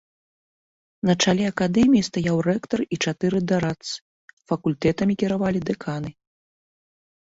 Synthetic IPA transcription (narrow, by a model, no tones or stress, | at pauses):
nɐt͡ʂalʲɛɐkad̪ɛmʲijist̪ajawrɛkt̪ɐrit͡ʂat̪ɨɾɨd̪aɾat̪sɨ̥ | fɐkulʲt̪ɛt̪ɐmʲikʲiɾavalʲid̪ɛkʰanɨ